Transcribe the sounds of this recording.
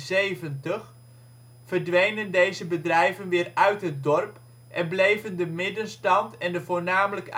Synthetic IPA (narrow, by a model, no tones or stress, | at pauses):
zejvəntəx | fərdʋejnəndejzəbədrɛjvənʋɪːrœɥtɦət̚dɔrp | ʔɛnblejvəndəmɪdənstɑntɛndəvoːrnaːmələk